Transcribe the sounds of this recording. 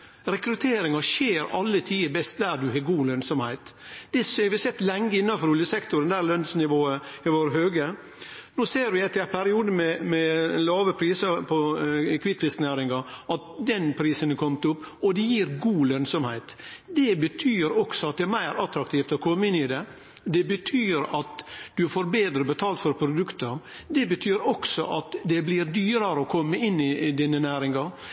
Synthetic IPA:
ɾɛkɾʉt̪ʰeːɾɪŋɑʃeːɾɑ̰lːət̪ʰiːəbɛst̪̚d̪æɾdʉɦeːɡuːlœnsɔmhæɪt̪d̪̥ɛsɛʋɪsɛt̪ːlɛŋːəɪnːɑnfɔɾʊljəsɛkt̪ʊɾɛnd̪æːɾlœnsnɪʋoːəɪʋoːɾəɦøːɡə | noːseːɾʋɪɛt̪ːɪpʰæɾɪuːd̪əmɛmɛlɑːʋəpʰɾiːsəpʰɔkʰʋɪt̪ːʋɪst̪næːɾɪŋɑɑt̪̚d̪ɛnpʰɾiːsənəkʰɔmt̪ʊpː | ɔd̪ɛjiːɾɡuːlønsɔmhæɪt̪d̪ɛbət̪ʰyːɾɔɡ̥sɔɑt̪̚d̪ɛɾmæɪɾɑt̪ɾɑkt̪ʰiːft̪ɔkʰɔmːəɪnɪd̪ɛ | d̪ɛbət̪ʰyːɾɑt̪d̪ʉfoːɾbeːd̪ɾəbət̪ʰɑːlt̪fɔɾpʰɾʊd̪ʉkt̪əɾ | d̪ɛbət̪ʰyːɾɔɡ̥sɔ̰ʔɑt̪d̪ɛblɪɾd̪yːɾəɾəɔkʰɔmːəɪnːɪd̪inːənæːɾɪŋɑ

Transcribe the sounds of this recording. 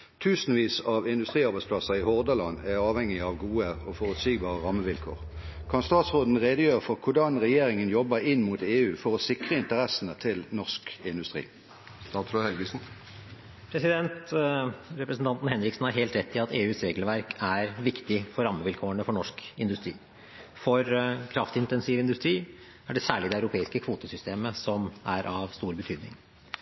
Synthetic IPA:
t̪ʰʉːsn̩ʋiːsɑʋɪnd̪ʉst̪ʁiːɑʁbæɪspʰlɑsəɪhɔʁd̪əlɑnːæʁɑːʋhɛŋːɪɑʋɡuːəɔfɔʁʉt̪syːɡbɑːʁəʁɑmːəʋɪlkʰo̰ːʁ | kʰɑnst̪ɑːt̪sʁoːd̪n̩ʁeːd̪əjøːʁəfɔʁkʰʊd̪ɑnʁɛjeːʁɪŋənjɔbəʁɪnːmut̪eːʉːfɔʁɔsɪkʁəɪnt̪əʁɛsənət̪ʰɪlnɔʁskɪnd̪ʉst̪ʁḭː | t̪ɑt̪slʊhɛlɡəsn | pʰɾɛsɪd̪ɛnt̪ | ɾɛpɾəsn̩t̪ɑnt̪n̩hɛnɾɪksn̩hɑɾɦeːlt̪ɾɛt̪ʰːɪɑt̪eːʉːsɾeːɡəlʋæɾkʰæɾʋɪkt̪ɪfɔɾɑmːəʋɪlkʰoːəɳəfɔɳɔʂkɪ̰nd̪ʉst̪ɾḭː | fɔɾkʰɾɑft̪ɪnt̪ɛnsiːʋɪnd̪ʉst̪ɾiː | æɖɛsæːɭɪd̪ɛɑʉɾʊpʰeːɪskəkʰʋuːt̪əsʏst̪eːməsɔmæɾʔɑʋst̪uːɾbət̪ʰyːd̪nɪ̰ŋ

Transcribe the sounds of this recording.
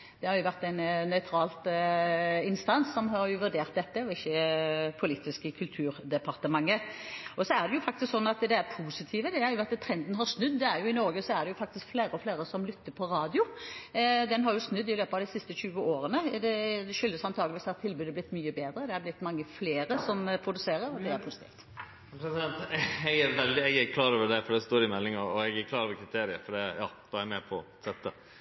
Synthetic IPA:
d̪ɛhɑɾjʊʋæʁt̪ːɛnnœʏt̪ʰɾɑːlt̪ | ɪnst̪ɑnsːɔmɦɑɾjʊʋʉɖ̪eːʁt̪̚d̪ɛt̪ːəɔɪçːəpʰʊlɪt̪ːɪskəkʰʉlt̪ʰʉːɾd̪ɛpʰɑʁt̪əmɑŋːəɔsɔæʁd̪ɛjʊfɑkt̪ɪsksɔnːɑt̪d̪ɛæɾpʰuːsɪt̪ʰiːʋəd̪ɛhɑɾjʊʋæt̪ːt̪ʰɾɛnd̪n̩ɦɑɾsnʉd̪ːd̪ɛæɾjʊɪnɔɾɡəsɔæɾd̪ɛjʊfɑk̚t̪ɪskfleːɾəɔfleːɾəsɔmlʏt̪ːəɾpʰɔɾɑːd̪ɪʊ | d̪ɛnɦɑɾjʊsnʉd̪ːɪløːpɑʋd̪ɪsɪst̪əɕʉːəʔoːɾənəd̪ɛɛʃʏlːəsɑnt̪ʰɑːɡlʋiːsɑt̪t̪ʰːɪlbʉːd̪əblɪt̪ːmyːəbeːd̪ɾəd̪ɛɑɾb̪ɪt̪ːmɑŋːəfleːɾəsɔmpʰɾʊd̪ʉseːɾəɾɔd̪ɛæɾpʰuːsɪt̪ʰḭːft̪ | pʰɾɛsɪd̪ɛnt̪ɛɡæɾʋɛld̪ɪɛɡæɾkʰlɑːɾoːʋəd̪ɛfɔɾɖ̪ɛst̪oːɾɪmɛlːɪŋɑɾɔɛɡæɾkʰlɑːɾoːʋəɾkʰɾɪt̪ʰeːɾɪə̰fɔɖɛjɑ̰ːb̥ɑɛɾmɛpʰɔ̰ | sɛt̪ːə̰

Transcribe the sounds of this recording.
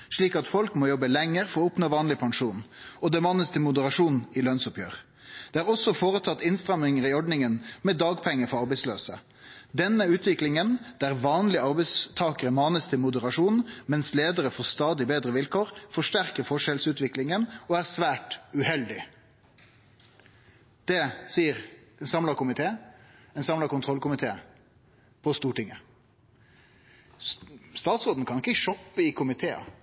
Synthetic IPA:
ʂɭiːkɑt̪fɔlkmoːjɔbəlɛŋːəʁfɔɾɔʊpnoːʋɑːnlɪpʰɑŋʂuːnɔd̪ɛmɑːnəst̪ʰɪlmʊd̪əʁɑʂuːnɪlœnsʊpjø̰ːʁ | d̪̥ɛːæːʁɔsːɔfoːʁət̪ʰɑt̪ːɪnst̪ʁɑmɪŋəʁɪɔɖɳɪŋənmɛd̪ɑːɡpʰɛŋːəfɔɾɑʁbɛɪsløːsə | d̪ɛnːəʉːt̪ʋɪklɪŋənd̪̥æʁʋɑːnlɪəɑʁbɛɪst̪ʰɑːkəʁəmɑːnəst̪ʰɪlmʊd̪əʁɑʂuːnmɛnsleːd̪əɾəfɔst̪ɑːd̪ɪbeːd̪ɾəʋɪlkʰoːʁfɔʂʈæʁkəɾfɔʂɛlsʉːt̪ʋɪklɪŋənɔæːʁsʋæːʈʉhɛld̪ɪ | d̪̥ɛsiːəɾɛnsɑmlɑkʊmɪt̪ʰeːɛnsɑmlɑkʊnt̪ʰʁɔlkʊmɪt̪ʰḛː | pʰɔst̪uːʈɪŋə | st̪ɑːt̪sʁoːd̪n̩kʰɑnɪkːəʃɔpːəɪkʰʊmɪt̪ʰeːə̰

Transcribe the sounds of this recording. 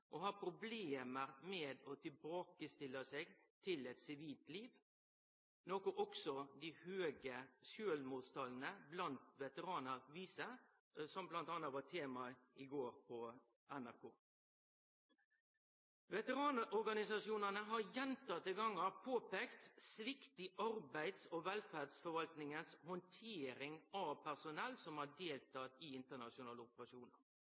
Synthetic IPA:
ʔɔhɑːpʰɾʊbleːməɾmeːd̪ɔt̪ʰɪlbɑːkəst̪ɪlːəseːɡ | t̪ʰɪlɛt̪sɪʋiːlt̪liːʋ | noːkʊʔɔksɔd̪ɪhøːɡəʃøːlmuːt̪st̪ʰɑːln̩əblɑnt̪ʋɛt̪əɾɑːnəɾʋiːsə | sɔmblɑnt̪ɑːnɑt̪ʋɑʈ̪ʰeːmɑɪɡoːɾpʰɔ | ʔɛnæɾkʰoː | ʋɛt̪əɾɑːnəʔɔɾɡɑnɪsɑʂuːnənəɦɑɾjɛnt̪ɑt̪ːɪɡɑŋːɑpʰoːpeːkt̪sʋɪkt̪ɪʔɑɾbæɪd̪sɔʋɛlfæːd̪sfɔɾʋɑlt̪nɪŋənshɔnt̪ʰeːɾɪŋɑʋpʰæʁsʊnɛlːsɔmhɑɖeːlt̪ʰɑt̪iɪnt̪əɳɑʂʊnɑːləʊpəɾɑʂuːnəɾ

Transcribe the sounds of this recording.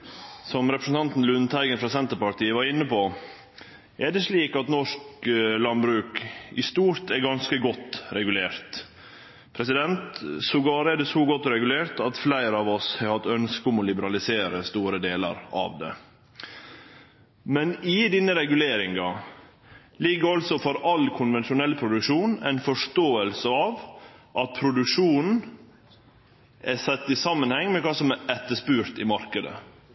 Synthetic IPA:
sɔmɾɛpɾəsn̩t̪ʰɑnt̪n̩lʉnt̪ʰæɪɡənfɾɑsɛnt̪əpɑʈiːəʋɑɾɪnːəpoː | ʔɛdɛsliːkɑt̪nɔʂklɑnbɾʉːkɪ̰st̪uːɾt̪ɛɡɑnskəɡɔt̪ːɾɛɡʉleːɾt̪ | pʰɾɛsɪd̪ɛnt̪sɔɡɑːɾəɛd̪ɛsɔɡɔt̪ːɔɾɛɡʉleːɾt̪ɑt̪flæɪɾəɑːʋɔshɑɪhɑt̪ːœnskɔmɔlɪbəɾɑlɪseːɾəst̪uːɾəd̪eːlə̰ɾɑ̰ʋd̪ɛ̰ | mɛnɪd̪ɪnːəɾɛɡʉleːɾɪŋɑ | lɪɡːəɔlsɔfɔɾɑlkʰʊnʋɛnʃʊnɛlpʰɾʊd̪ʉkʂuːnæ̰ɪnfɔʂt̪oːəlsəɑʋʔɑt̪̚pʰɾʊd̪ʉkʂuːnn̩ | ʔɛsɛt̪ːɪsɑmːənhɛŋːmɛkɑːsɔmæɛt̪ːəʂpʉːɾt̪ɪmɑɾkəd̪ə̰

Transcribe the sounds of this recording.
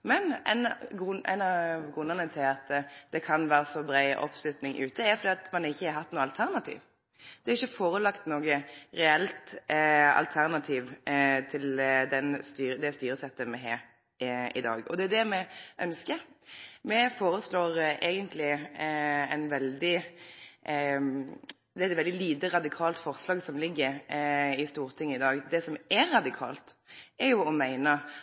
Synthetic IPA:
mɛnɛ̰ɪnɡæ̰ɪnɑɡʁʉnːənət̪ʰɪlɑt̪d̪̥ɛkʰɑnʋæːɾəsɔbɾæɪʔɔ̰pslʉt̪nɪŋʔʉ̰ːt̪əæɾfɔɾd̪iːɑt̪mɛnɪçːəhɑɾɦɑt̪ːnuːəɑlt̪ʰæʁnɑt̪ʰḭːʋ | d̪̥ɛæːɾɪçːəfoːɾəlɑkt̪noːɡəɾɛɛlt̪ | ɑ̰lt̪ʰæʁnɑt̪ʰiːʋt̪ʰɪld̪ɛnst̪yːɾəd̪ɛst̪yːɾəsɛt̪ːəmɛɦeːɾ | ɪ̰d̪ɑ̰ːɡɔ̰d̪ɛæd̪ɛmɛʔœnskəmɛfoːɾəsloːʁʔɛːɡənt̪ʰlɪ | æɪnʋɛld̪ɪ | d̪ɛɛt̪ʋɛld̪ɪliːd̪əɾɑd̪ɪkʰɑːlt̪fɔʁslɑːɡsɔmlɪɡːəɾɪst̪uːʁt̪ʰɪŋːəɪd̪ɑːɡd̪ɛsɔmɛɾːɑd̪ɪkʰɑ̰ːlt̪ | ɛɾjʊɔmæɪnə

